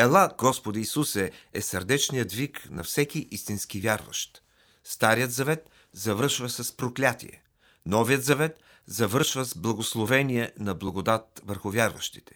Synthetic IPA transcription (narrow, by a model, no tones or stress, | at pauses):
ɛlˠaɡɔspod̪əisusɛɛsəɾd̪ɛt͡ʃnijəd̪viknɐ̰fsɛk̟iʔist̪inskivʲjaɾvə̰ʃt̪ | st̪aɾijət̪zɐvɛt̪ | zɐvəɾʃvəsɐspɾoklʲat̪ḭɛ̰ | nɔvijət̪zɐvɛt̪ | zɐvɤɾʃvəzblˠɐɡoslˠovɛniɛnɐblˠɐɡod̪at̪vəɾxʊvʲjaɾvə̰ʃt̪i̥t̪ɛ̥